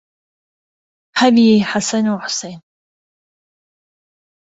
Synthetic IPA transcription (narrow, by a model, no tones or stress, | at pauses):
ħabijeħasɐnuwħʊ̥sejn